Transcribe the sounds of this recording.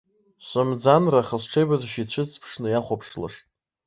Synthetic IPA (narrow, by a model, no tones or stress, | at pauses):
ɕʷʼamd͡zanraχəsʈ͡ʂʰejbazaʃit͡ɕʷʰɨt͡sʰpʰʂnɨjaχʷapʰʂla̰ʂtʼ